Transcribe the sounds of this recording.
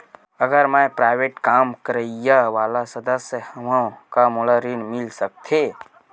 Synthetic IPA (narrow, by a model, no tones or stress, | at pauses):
əɡəɾmajpɾaːɪʋeːʈkaːmkəɾəjaʋaːlasəd̪əsjəhəmãkamoləɾinmɪlsək̚t̪ʰe